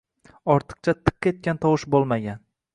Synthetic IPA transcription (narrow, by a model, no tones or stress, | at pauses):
ɒɾt̪ʰɨ̥q̚t͡ʃʰat̪ʰɨ̥qːʲe̞t̪̚kʲant̪ʰɒwɨʃbolˠmaɡʲan